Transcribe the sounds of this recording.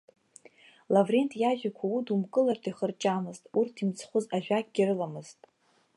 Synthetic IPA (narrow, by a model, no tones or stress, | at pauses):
lavre̞ntʼjaʒᶣakʷʰaudumkʼɨlartʰiχərt͡ʃʼamɨztʼurtʰimt͡sʰχʷʊzaʒᶣʷak̚ʲʼɡʲɪrɨlamɨz̥tʼ